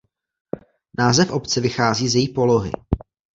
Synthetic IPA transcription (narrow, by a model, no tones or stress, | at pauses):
naːzɛfʔo̞pt͡sɛvɪxaːziːzjɛjiːpo̞loɦɪ̰